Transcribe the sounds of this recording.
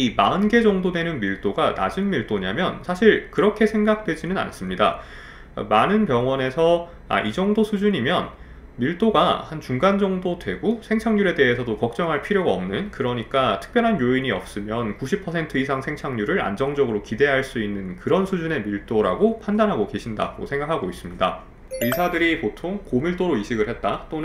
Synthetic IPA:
imaɯnɡe̞d͡ʑʌŋdodwe̞nɯnmiɭt͈oɡana̰d͡ʑɯnmiɭt͈oɲamjʌnsʰaɕʰiɭkɯɾʌkʰe̞sʰe̞ŋɡak̚t͈we̞d͡ʑinɯna̰ns͈ɯmɲida̰ | manɯnpjʌŋwʌne̞sʰʌ | a̰ʔid͡ʑʌŋdosʰud͡ʑuɲimjʌn | miɭt͈oɡa̰hant͡ɕuŋɡand͡ʑʌŋdodwe̞ɡusʰe̞ŋt͡ɕʰaŋɲuɾe̞de̞ɦesʰʌdokʌk̚t͡ɕ͈ʌŋɦaɭpʰiɾjoɡaʌmnɯnkɯɾʌɲik͈atʰɯ̥k̚p͈jʌɾɦanjoiɲiʌp̚s͈ɯmjʌnkuɕʰipʰʌsʰe̞ntʰɯisʰaŋsʰe̞ŋt͡ɕʰaŋɲuɾɯɾa̰nd͡ʑʌŋd͡ʑʌɡɯɾokide̞ɦaɭs͈uinːɯnkɯɾʌnsʰud͡ʑune̞miɭt͈oɾaɡopʰandanɦaɡoke̞ɕʰinda̰ɡo̰sʰe̞ŋɡakʰaɡois͈ɯmɲida | isʰadɯɾipotʰoŋkomiɭt͈oɾoiɕʰiɡɯɭhe̞t̚t͈at͈on

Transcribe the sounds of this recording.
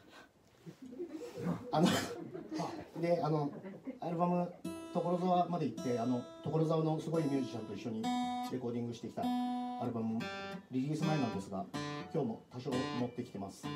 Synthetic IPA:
ano | d̪e̞ano̞aɾɯ̟bamɯ̟t̪o̞ko̞ɾo̞zaβamad̪eit̪ːe̞ano̞t̪o̞ko̞ɾo̞zaano̞sɨɡo̞imʲeːd͡ʑi̥t͡ɕãnt̪o̞iɕːoɲ̟iɾe̞ko̞ːd̪ʲĩŋɡɯ̟ɕi̥t̪e̞kʲi̥t̪aaɾɯ̟bamɯ̟ɾʲiɾʲiːsɨmainãnd̪e̞sɨɡakʲo̞ːmo̞t̪aɕo̞ːmo̞t̪ːe̞kʲi̥t̪e̞masɨ̥

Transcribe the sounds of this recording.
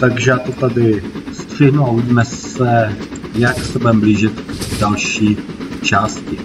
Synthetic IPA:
t̪aɡʒɛjaːt̪ot̪adɪst̪r̝̥ɪɦnuauvɪɟiːmɛsɛ | jaksɛbɛmbliːʒɪt̪dalʃiːt͡ʃaːscɪ

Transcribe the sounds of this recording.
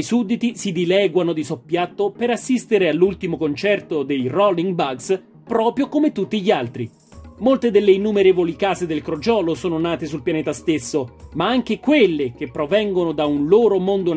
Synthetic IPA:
jsud̪ːit̪isid̪ilɛːɡwanod̪isopːjat̪ːopeɾasːist̪eɾealːult̪imokont͡ʃɛrt̪od̪ejrɔlːiŋɡbaɡs | pɾɔːpɾjokomet̪ːut̪ːiʎialt̪ɾi | molt̪ed̪elːeinːumeɾeːvolikaːzed̪elkɾod͡ʒɔːlosoːnonaːt̪esulpjanɛːt̪ast̪esːomaaŋk̟ekwelːek̟epːɾovɛŋɡonod̪aunloːɾomond̪o

